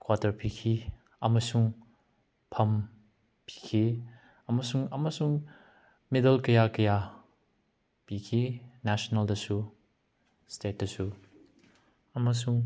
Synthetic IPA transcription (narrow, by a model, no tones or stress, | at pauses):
kwatɐɾpikʰi | ɐmɐsuŋ | pʰɐm | pi̥kʰi | ɐmɐsuŋɐmɐsuŋ | medɐlkɐjakɐja | pikʰinasonɐldɐsu | stet̚dɐsu | ɐmɐs̬uŋ